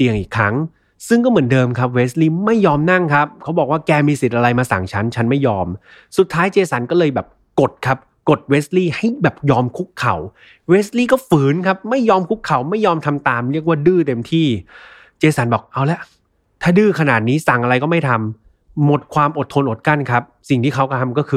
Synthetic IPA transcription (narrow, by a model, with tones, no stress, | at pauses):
t̪i˨əŋʔiː˨˩kʰːɾa˦˥ŋ | sɯ˥˩ŋkɔː˥˩mɯ˩˦əndɤː˧mkʰa˦˥p̚weː˦˥sliː˥˩ma˥˩jːɔː˧mna˥˩ŋkʰa˦˥p̚kʰa˦˥wbɔː˨˩k̚waː˥˩kɛː˧miː˧si˨˩t̪̚ʔa˧ɾa˧jmaː˧sa̰˨˩ŋt͡ɕʰa˦˥nt͡ɕʰa˦˥nma˥˩jːɔː˧m | su˨˩t̪ʰːaː˦˥jt͡ɕeː˧sa˩˦nkɔː˥˩lɤː˧jbɛː˨˩p̚ko˨˩t̪̚kʰa˦˥p̚ko˨˩t̪̚weː˦˥s̚liː˥˩ha˥˩jbɛː˨˩p̚jɔː˧mkʰu˦˥kʰːa̰˨˩˦w | weː˦˥sliː˥˩kɔː˥˩fɯː˩˦nkʰa˦˥p̚ma˥˩jːɔː˧mkʰu˦˥kʰːa˨˩˦wma˥˩jːɔː˧mt̪ʰa˧mt̪aː˧mɾi˥˩ək̚waː˥˩dɯː˥˩t̪e˧mt̪ʰiː˥˩ | t͡ɕeː˧sa˩˦nbɔː˨˩k̚ʔa˧˩wlɛ˦˥ʔ | t̪ʰaː˥˩dɯː˥˩kʰa˧naː˨˩t̪̚niː˦˥sa˨˩ŋʔa˧ɾa˧jkɔː˥˩ma˥˩jt̪ʰa˧mː | o˨˩t̪̚kʰwaː˧mʔo˨˩t̪ʰːo˧nʔo˨˩t̪̚ka˥˩nkʰa˦˥p̚si˨˩ŋt̪ʰiː˥˩kʰa˦˥wkʰa˥˩t̪ʰa˧mkɔː˥˩kʰɯː˧